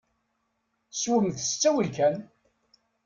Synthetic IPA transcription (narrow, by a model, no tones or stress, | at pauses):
swəmθə̥st͡sːæwəlkæn